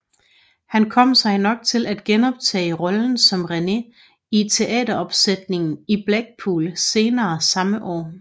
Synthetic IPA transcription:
hænkʰɒ̽m̰sɑ̈ɪnɒ̽ɡ̥̚t͡sʰe̝læd̥ɡ̥enɒ̽b̥t͡sʰɛ̰ːɪʁɒ̽ln̩sɒ̽mʁene̝ | it͡sʰe̝ʔɛ̰ːdɐɒ̽b̥sed̥ne̝ŋn̩ib̥læɡ̥̚pʰuːlse̝ːnɐːsɑ̈məʔɒ̰ː

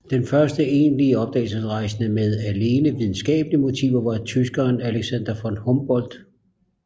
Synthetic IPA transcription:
d̥enfɶɐsd̥əe̝ːnliəɒ̽b̥̚d̥ɛ̰ːl̩sesʁɑ̈ɪsnəmeð̞ˠæle̝ːnəʋið̞ˠn̩sɡ̥ɛ̰ːb̥əliəmo̝t͡sʰḭːʊɐʋɑ̈t͡sʰysɡ̥ɐːnæleɡ̥sænd̥ɐfɒ̽nhɔmb̥ɒ̽l̰d̥

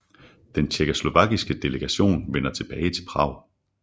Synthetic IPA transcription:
d̥ent͡ɕʰeɡ̥oslo̝ʋɑ̈ɡ̥isɡ̥əd̥e̝ləɡ̥æɕo̝̰ːnʋenɐt͡sʰe̝b̥ɛːɪt͡sʰe̝lpʰʁɑ̰̈ʊ̰

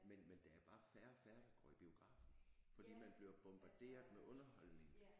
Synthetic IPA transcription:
menmend̥ææɐb̥ɑ̈ːfæɐfæɐd̥iɡ̥ɒ̰ːib̥io̝ɡ̥ʁɑ̰̈ːfn̩fɒ̽d̥ḭːmænb̥le̝ɐb̥ɔ̽mb̥ɑ̈d̥e̝̰ːɐð̩ˠmeʔɔ̽nɐhɒ̽lne̝ŋ

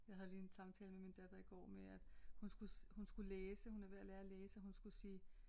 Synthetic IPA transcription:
jɑ̈ɪɦæð̞ˠliːensɑ̈mt͡sʰɛ̰ːləmemind̥æd̥ɐiɡ̥ɒ̰ːmeæd̥hunsɡ̥ushunsɡ̥uleːsəhunæʋeælæɐæleːsəɦunsɡ̥usiː

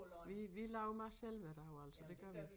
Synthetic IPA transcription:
ʋiʋilɑʊmɑ̈ɪsel̰ʋeɾ̥ɑ̈jo̝æl̰sɒd̥e̝ɡ̥ɶɐʋi

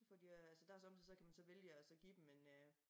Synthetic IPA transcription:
sfɒd̥iæælsəd̥æɐsɒ̽msʰɛsɒ̽kʰæmænsɒ̽ʋeljəɒsɒ̽ɡ̥ḭːd̥emːenø

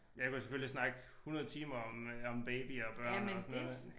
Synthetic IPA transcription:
jɑɪkʰusefølisnɑ̈ɡ̥hunɐð̞ˠət͡sʰiːmɐɒmɒ̽mb̥eɪb̥iɒb̥ɶɐ̰nɒsnː

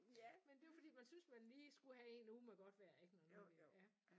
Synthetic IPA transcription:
mend̥e̝ofɒ̽dḭːmænsynsmænliːsɡ̥uɦæe̝ːnuːmeɡ̥ɒ̽d̥ʋæɐe̝ɡ̥ənæmolijæ

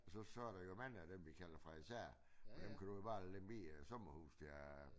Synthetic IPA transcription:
sɒ̽sɒ̽æɐɾ̥ɑ̈jomænəæd̥emʋikʰæl̰ɐfʁɑ̈isæɐ̰ | ɒd̥emkʰæd̥ujob̥ɑ̈ːldenb̥ḭːsɔ̽mɐhṵːsd̥e

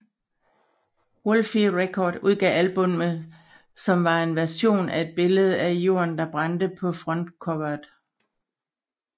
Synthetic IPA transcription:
wolfiʁekʰɒːd̥uð̞ˠɡ̥ɛ̰ælb̥ɔ̽mə | sɒ̽mʋɑ̈e̝nʋæɐso̝̰ːnæe̝d̥̚b̥e̝ləð̞̩ˠæjo̝̰ːɐnd̥ɑ̈b̥ʁɑ̈nd̥əpʰɒ̽fʁɔ̽n̰d̥kʰɒʋɐd̥

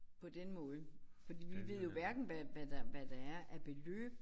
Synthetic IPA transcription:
pʰɒ̽d̥enmɔ̽ːð̞̩ˠfɒ̽d̥ḭːʋiʋe̝ð̞̰ˠjo̝ʋæɐɡ̥n̩ʋæʋæd̥ɑʋæd̥ɑæɐʔæɐb̥e̝lø̰ːb̥

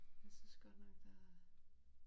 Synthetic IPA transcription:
jasynsɡ̥ɒd̥nɒɡ̥̚d̥a

